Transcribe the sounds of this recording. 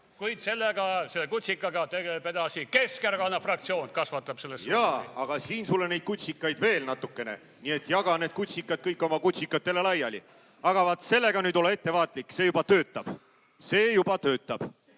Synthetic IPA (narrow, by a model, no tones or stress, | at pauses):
kujd̪se̞lːeɡɑselːekut̪ʲsikːˑɑɡɑt̪eɡepe̞d̪ɑsikeskeɾɡɑnɑfrɑk̚t̪sio̞ːnkɑsvɑt̪ːˑɑb̥se̞lːesjɑːɑɡ̥ɑsiːnsulːenejd̪̚kut̪ʲsikːˑɑjd̪ve̞ːlnɑt̪ːˑukːe̞ne̞̰ | nie̞t̪ːˑjɑɡ̥ɑne̞ːd̪̥kut̪ʲsikːˑɑd̪̚kɤjkːˑo̞mɑkut̪ʲsikːˑɑt̪ːe̞le̞lɑjɑlḭ | ɑɡ̥ɑvɑt̪ːse̞lːe̞ɡ̥ɑnyːd̪o̞leet̪ːe̞vɑːt̪likːse̞jubɑt̪ø̞ːt̪ːˑɑb̥ | se̞ːjub̥ɑt̪ø̞ːt̪ːˑɑb̥